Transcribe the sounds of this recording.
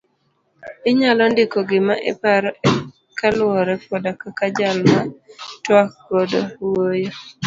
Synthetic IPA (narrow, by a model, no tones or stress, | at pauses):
ɪɲalɔndɪkɔɡɪmaʔɛ̰paɾɔɛ | kalʊwɔɾɛpɔdakakad͡ʒalmatwak̚bɔdowojo